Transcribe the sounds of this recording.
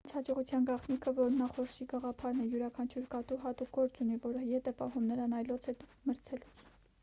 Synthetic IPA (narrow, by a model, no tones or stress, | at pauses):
t͡sʰhɑd͡ʒɔʁut͡sʰjɑnɡɑχnikʰəvɔɾnɑχɔɾʃiɡɑʁɑpʰɑɾnɛjuɾɑkʰɑnt͡ʃʰuɾkɑt̪uɦɑt̪uk̚ɡɔɾt͡sunivɔɾəjɛt̪ɛpɑɦumnəɾɑnɑjlɔt͡sʰɛt̪məɾt͡sʰɛlut͡sʰ